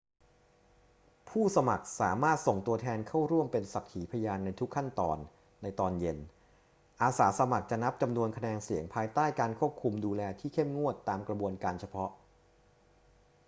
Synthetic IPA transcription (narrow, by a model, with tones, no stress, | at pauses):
pʰuː˥˩sa˧ma̰˨˩k̚sa̰ː˩˦maː˥˩t̪̚so˨˩ŋt̪u˧ɐt̪ʰɛː˧nkʰa˥˩wɾu˥˩əmpe˧nsa˨˩k̚t̪ʰiː˩˦pʰa˧jaː˧nːa˧jt̪ʰu˦˥kʰːa˥˩nt̪ɔ̰ː˧nː | a˧jt̪ɔː˧nje˧n | ʔaː˧saː˩˦sa˧ma˨˩k̚t͡ɕa˨˩na˦˥p̚t͡ɕa˧mnu˧ənkʰa˧nɛː˧ŋsi˨˩˦əŋpʰaː˧jt̪aː˥˩jkaː˧nkʰu˥˩əp̚kʰu˧mduː˧lɛː˧t̪ʰiː˥˩kʰe˥˩mŋu˥˩ət̪ːaː˧mkɾa˧bu˧ənkaː˧nt͡ɕʰa˧pʰɔ˦˥ʔ